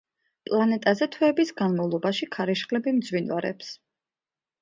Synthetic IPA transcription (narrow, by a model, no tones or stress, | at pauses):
pʼlˠanɛt̪ʼazɛt̪ʰwɛːbisɡanmavlˠɔbaʃikʰaɾɛʃχlɛbimd̪zwinwa̰ɾɛ̰ps